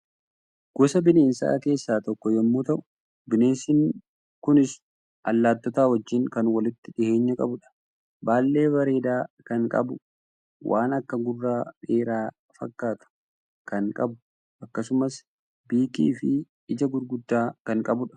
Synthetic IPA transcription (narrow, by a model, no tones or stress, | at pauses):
ɡ̥ɔsɐbɪne̞ːnsa̰ːke̞ːsːaːt̪ɔkːɔjɛmːuːt̪ɐʔʊ̥ | bɪne̞ːnsɪŋ | kʊnɪs | ʔɐ̰lːaːt̪ːɔt̪aːwɐd͡ʒːɪŋkɐnwɐlɪt̪ːɪᶑɪhe̞ːɲːɐkʼɐbʊᶑɐ̥ | baːlːe̞ːbɐɾe̞ːd̪aːkɐŋkʼɐ̰bʊ | wʔa̰ːnɐkːɐɡʊrːaːᶑe̞ːɾaː | fɐ̰kːaːt̪ʊ̥ | kɐŋkʼɐbʊ | ʔɐkːɐsʊmɐs | biːkʼḭːfɪ | ɪd͡ʒɐɡʊɾɡʊd̪ːaːkɐŋkʼɐbʊᶑɐ̥